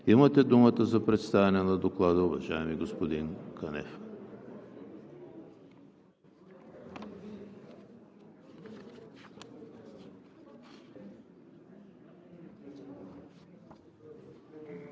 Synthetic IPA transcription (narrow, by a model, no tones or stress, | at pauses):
imət̪ɛd̪umət̪əzɐpɾɛt̪st̪avɛnɛnɐd̪oklˠad̪əuvɐʒaɛmiɡospod̪inkɐnɛ̰f